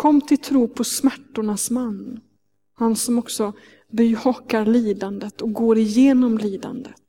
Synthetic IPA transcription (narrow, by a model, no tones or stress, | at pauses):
kʰɔmːt̪ʰɪlt̪ʰɾuːpʰɔsmæʈːʊɳasmanː | hansɔmɔksɔ | byːhɔkaɾliːd̪and̪ət̪ɔk̚ɡoːɾɪjeːnɔmliːd̪a̰nd̪ət̪